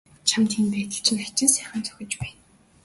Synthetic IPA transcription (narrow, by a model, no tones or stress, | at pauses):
t͡ɕʰamt̪ʰinpæːt̪ə̆ɬt͡ɕʰɪ̆ŋat͡ɕɪ̆nsæːχə̆nt͡sœ̥xʲɪ̆t͡ɕpæːn